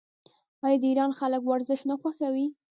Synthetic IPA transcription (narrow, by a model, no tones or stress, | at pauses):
ɑjɑd̪əiɾɑnxaləkwaɾzɪʃnaxwaxawi